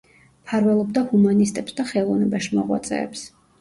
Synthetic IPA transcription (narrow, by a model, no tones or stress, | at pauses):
pʰaɾvɛlˠɔbd̪ahumanist̪ʼɛpsd̪aχɛlˠɔvnɛbaʃmɔʁwa̰t̪sʼɛ̰ːps